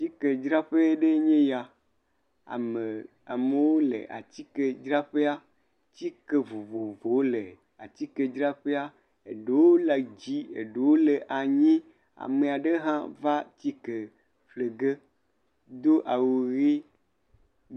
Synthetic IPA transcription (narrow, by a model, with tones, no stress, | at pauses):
ti˦ke˨d͡ʒɾa˦ɸe˦ɖe˦ɲẽ˦ja˨ | a̰˨me˨ | a̰˨me˨wo˦lḛ˨ʔa̰˨t͡ɕ̪i˦ke˨d͡ʒɾa˦ɸe˦a˦ | t͡ɕi˦ke˨vo˨vo˨vo˨wo˦le˨ | a˨t͡ɕ̪i˦ke˨d͡ʒɾa˦ɸe˦a˦ | ḛ˨ɖe˨wo˦la˨d͡ʑi˦ḛ˨ɖe˨wo˦le˨ʔa˨ɲĩ˦ | a̰˨me˨a˨ɖe˦ɦã˦va˦t͡ɕi˦ke˨ | ɸle˨ɡe˦ | d̪o˦ʔa˨wo˨ɣi˦